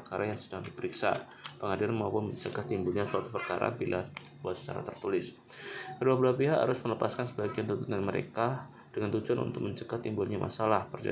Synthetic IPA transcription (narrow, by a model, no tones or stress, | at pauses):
kaɾʔajaŋsədaŋdipəɾiksa̰ | pəŋadɪrmaupʊnməɲt͡ʃəɡat̪imbulɲasəat̪upərkaɾa̰bilʔa | buat̪sə̥t͡ʃa̰ɾa̰t̪ərt̪ulɪs | kəduabulahpiɦaʔha̰ɾʊsmələpaskansəbaɡiant̪unt̪ut̪ɲanməɾḛka | d̥əŋant̪ud͡ʒuanṵnt̪ʊk̚məɲt͡ʃəɡaht̪imbʊlɲamʔa̰salahpərd͡ʒa̰